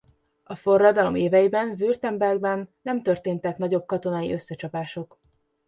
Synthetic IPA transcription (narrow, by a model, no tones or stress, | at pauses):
ɒfo̞rːɒd̪ɒlo̞̰meːvɛjibɛnvyrt̪ɛmbɛrɡ̚bɛnːɛmt̪ørt̪eːnt̪ɛknɒɟo̞b̚kɒt̪o̞naːḭʔø̞sːɛt͡ʃɒpaːʃo̞k